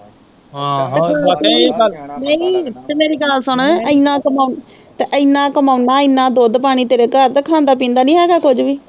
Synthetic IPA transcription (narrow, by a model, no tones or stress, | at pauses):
t̪einəĩːt̪emeːɾiːɡaːlsʊɳəĩnãːkəmaːn | t̪eʔəinãːkəmaːʊnaːɪnːãːd̪oːd̪paːɽ̃iːt̪eːɾeːkəɾt̪ekʰãːnd̪aːp̬ĩːnd̪aːnĩːɦɛːɡaːkʊd͡ʒʋiː